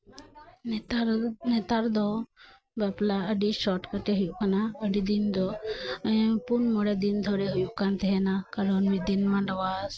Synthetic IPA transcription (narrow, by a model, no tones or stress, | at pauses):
t̪net̪aɾd̪ɔ | bɛplaəɖiʃɔʈkəʈeɦʊjukanaəɖid̪ind̪ɔ | punmɔɽed̪ind̪ʱɔɾeɦʊjukant̪eɦɛnakəɾɔnmid̪inmãɳɖəʋas